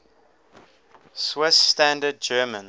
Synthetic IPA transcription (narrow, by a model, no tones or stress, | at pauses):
swɪsːtæ̃ndəd̚d͡ʒɜːmə̃n